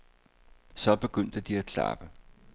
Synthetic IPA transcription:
sɒ̽b̥e̝ɡ̥øn̰d̥əd̥iækʰlɑ̰̈b̥ə

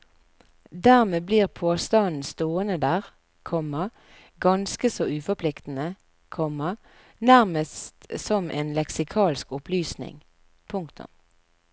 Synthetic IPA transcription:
d̪æːʁmeːbliːʁpʰoːst̪ɑnn̩st̪oːənəd̪æːʁ | kʰɔmːɑ | ɡɑnskəsoːʔʉːfɔpʰlɪkt̪n̩ə | kʰɔmɑ | næʁməst̪sɔmʔḛːnlɛksɪkʰɑːlskʊpʰlyːsnɪ̰ŋ | pʰʊŋkt̪ʊ̰m

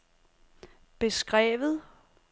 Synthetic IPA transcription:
b̥e̝sɡ̥ʁɛ̰ːʋð̩ˠ

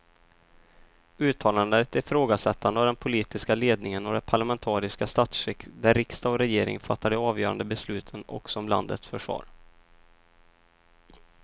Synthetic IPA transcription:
ʉ̟ːt̪ʰɑːland̪ət̪æɾfɾoːɡasɛt̪ʰːand̪əavd̪ɛnpʰʊliːt̪ɪskaleːd̪nɪŋənɔd̪ɛnpʰaɭamɛnt̪ʰɑːɾɪskast̪at̪sɾɛkd̪æɾɾɪkst̪aɔɾɛjeːɾɪ̰ŋfat̪ʰːaɖ̪ɛɑːvjœːɾa̰nd̪əbɛslʉ̟ːt̪ʰənɔ̰ksɔɔmla̰nd̪ə̰t̪sfœʂvɑ̰ːɾ

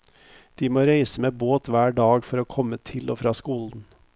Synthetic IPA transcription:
d̪̥iːmoːɾeɪsəmeːboːt̪ʋæːɖɑːɡfɔɾoːkʰɔmət̪ʰɪlo̰ːfɾɑːskuːln̩

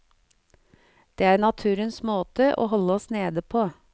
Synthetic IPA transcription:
d̪̥eːæːɾnɑt̪ʰʉːɾənsmoːt̪əʔo̰ːɦɔləɔsneːd̪əpʰoː

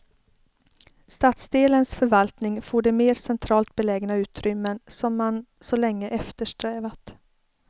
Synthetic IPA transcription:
st̪aːt̪sd̪eːlənsfœɾvalt̪nɪŋfoːɖɛmeːɾsɛnt̪ʰɾɑːlt̪̚bɛlɛːɡnaʉ̟ːt̪ʰɾʏmːənsɔmːansɔlɛŋːəʔɛft̪əʂʈɾɛːvat̪

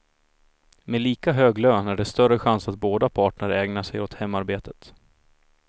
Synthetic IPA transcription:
meliːkaɦøːɡløːnæɖɛst̪œɾəɧansat̪̚boːd̪apʰɑːʈɳəɾɛːɡnaʂɛjɔt̪hɛmːaɾbeːt̪ət̪

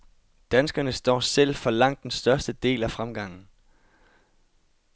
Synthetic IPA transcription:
d̥ænsɡ̥ɐnəsd̥ɒ̰ːsel̰fɒ̽lɑ̈ŋ̰d̥ːensd̥ɶɐsd̥əd̥e̝̰ːlæfʁamɡ̥ɑ̈ŋ̰n̩

